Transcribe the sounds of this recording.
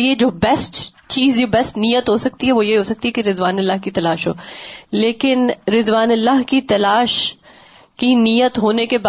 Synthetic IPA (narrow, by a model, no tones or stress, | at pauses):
ijed͡ʒoːbɛsʈ | t͡ʃiːzd͡ʒoːbɛsʈnijət̪ɦosɐk̚t̪iɦɛʋojeɦoːsɐk̚t̪iɦɛkiɾɪzʋaːnɪlːaːɦkit̪ɐlaːʃɦoːleːkɪnɾɪzʋaːnɪlːaːɦkit̪ɐlaːʃ | kiniːjət̪ɦoːnekeba